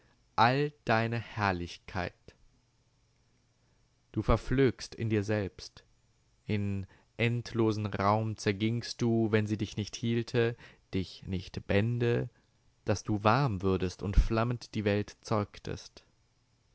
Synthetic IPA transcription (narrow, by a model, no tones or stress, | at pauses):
ʔald̥aɪnəhɛɐlɪçkʰa̰ɪt | d̥uːfɛɐfløːkstɪ̰ndiːɐzɛlpst | ʔɪn | ʔɛntʰloːzn̩ʁaʊmt͡sɛɐɡɪŋst̚d̥uːvɛnziːdɪçnɪçthiːltʰəd̥ɪçnɪçtb̥ɛndə | d̥asd̥uːvaɐmvʏɐdəstʊntflaməntd̥iːvɛltt͡sɔʏktʰə̰st